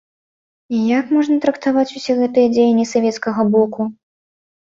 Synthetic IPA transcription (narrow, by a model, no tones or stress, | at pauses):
ijakmɔʐnɐt̪ɾɐkt̪avat͡sʲusʲɛɣɛt̪ɨjɛd͡zʲejɐnʲːisavʲɛt̪skɐɣɐbɔku